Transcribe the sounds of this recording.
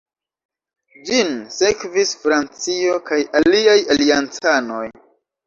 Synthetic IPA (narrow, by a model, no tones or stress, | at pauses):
d͡ʒinsekvisfɾant͡siokajaliajaliant͡sano̞j